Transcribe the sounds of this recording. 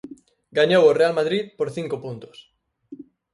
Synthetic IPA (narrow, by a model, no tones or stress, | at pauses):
ɡaɲoworealmaðɾit̪̚poɾθiŋkopunt̪o̥s